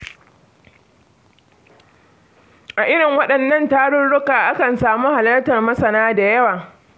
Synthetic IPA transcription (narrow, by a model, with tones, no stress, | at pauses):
ʔa˨ʔɪ˦ɽɪ˨ŋwɐ˦ɗɐ˨nːɐ˦˨ntaː˦ɽʊ˦nɽʊ˦kaː˨ʔa˦kɐ˨nsaː˨muː˦ha˨lɐ˦rtɐ˨rmɐ˦sɐ˨naː˦da˨jɐ˦waː˨